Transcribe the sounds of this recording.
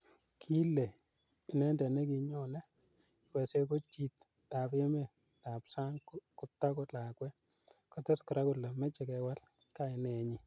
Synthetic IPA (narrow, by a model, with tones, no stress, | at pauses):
kʰi˦le˨ | i˨nɛ˦ndɛ˨nɛ˦ki˨ɲɔ˨lɛ˦ | wɛ˨se˦ko˦t͡ʃi˨t | ta˨pe˦me˨ | ta˨psa˦ŋkʊ˨tːa˦kɔ˦la˨kwɛ˦ | kɔ˦tɛ˦skɪ˨ɾa˦kʊ˦tla˨mɛ˦t͡ʃɛ˨kɛ˨wa˦l | ka˦ɪ˨nɛ˨ɲi˦